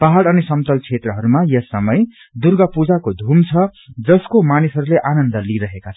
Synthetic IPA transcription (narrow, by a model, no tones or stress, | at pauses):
paɦaɽʌnisʌmt̪ʌlt͡sʰet̪rʌɦʌɾumajʌsːʌmʌj | d̪urɡʌpud͡zakod̪ʱumt͡sʰʌd͡zʌskomanisɦʌɾuleʔanʌnd̪ʌliɾʌɦekat͡sʰʌʌ